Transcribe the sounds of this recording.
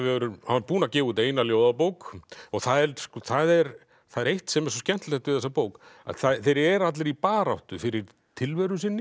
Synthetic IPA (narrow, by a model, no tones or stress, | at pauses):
vɪɛɾʏhanapuːnacɛːvuːt̪eːjnaljoːwðapowkɔɣθaðɛɾskɔθaðɛɾ | θaðɛɾejht̪sɛmɛɾs̬ɔscɛn̥t̪lɛht̪vɪðθɛsapoːwka̰θaθejɾɛɾat̪lɪɾipaːɾawht̪ʏfɪɾɪɾ̥ | t̪ʰɪlvɛːɾʏsɪnːɪ